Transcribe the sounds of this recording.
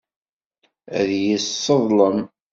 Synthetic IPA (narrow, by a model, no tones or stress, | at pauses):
æðjəsːəðˤləm